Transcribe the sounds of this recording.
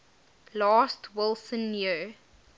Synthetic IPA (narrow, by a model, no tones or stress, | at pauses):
lɑːstʰwɪlˠsə̃nji